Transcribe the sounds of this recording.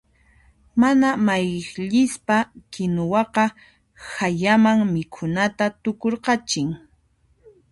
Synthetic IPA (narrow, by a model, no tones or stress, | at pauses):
manamajʎɪspakɪnʊwɑqɑ | hajamaŋmɪkʰʊnat̪at̪ʊkoɾqɑt͡ʃɪŋ